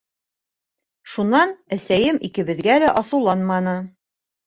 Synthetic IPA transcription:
ʃunːɑnæsæjɘmikɘ̆βɘ̆ðɡælæʔɒsɤ̆wlˠɑnmɑnɤ

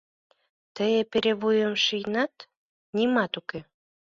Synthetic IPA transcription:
t̪əjepeɾeβujəmʃijnɑt̪ | nʲimɑt̪uke

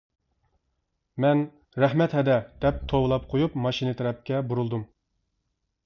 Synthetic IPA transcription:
mɛn | ɾɛhmɛt̪hɛd̪ɛd̪̥ɛp̚t̪ʰowlˠɑp̚qʰojupmɑʃinɨt̪ʰɛɾɛp̚kʲɛbuɾulˠd̪um

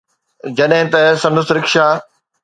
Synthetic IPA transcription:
d͡ʑɐɗɦɪ̃t̪ɐsɐ̃nd̪ʊst̪ɾɪkʃaː

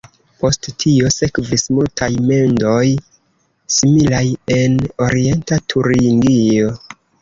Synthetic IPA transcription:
po̞sttʰio̞se̞kvismultʰajme̞ndo̞j | similaje̞no̞ɾie̞ntatʰuɾiŋɡio̞

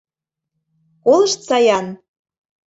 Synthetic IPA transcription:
kolˠə̆ʃt̪t͡sɑjɑn

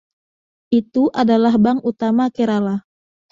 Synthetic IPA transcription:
ʔit̪uʔadalahbaŋut̪amakeɾala

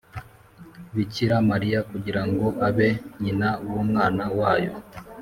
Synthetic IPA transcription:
βiciɾamaɾijakuɟiɾaŋɡo̞ʔaβe̞ɲinawumŋaːnawaːjo̞̰

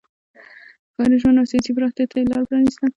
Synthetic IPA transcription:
kɑɾeʒwand̪awsijɑsipɾɑxt̪jat̪ʰalɑlpɾɑnist̪a

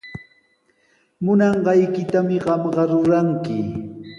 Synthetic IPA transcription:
mʊnɑɴɢɑjkɪt̪amɪɢɑmɢɑɾʊɾaŋkɪ

